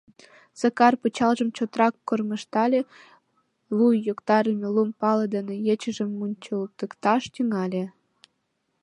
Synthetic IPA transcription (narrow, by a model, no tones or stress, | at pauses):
səkɑrput͡ɕɑlʒə̆mt͡ɕot̪rɑkːorməʃt̪ɑlʲe | lujːokt̪ɑɾəmʲelumpɑlɤ̆d̪ənĕjet͡ɕə̆ʒə̆mːunʲt͡ɕəlt̪əkt̪ɑʃt̪yŋɑlʲe